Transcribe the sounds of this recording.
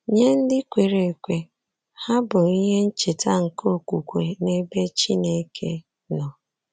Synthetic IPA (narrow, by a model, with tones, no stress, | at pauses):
ɲe˦n̩˦dɪ˦kʷe˨ɾe˨kʷe˨ | ha˦bʊ˨i˦ɦe˦n̩˦t͡ʃe˨ta˦ŋ̩˨ko˦˨kʷu˨kʷe˨ne˦be˦t͡ʃi˦ne˦˨˦kʰḛ˦ | nɔ˨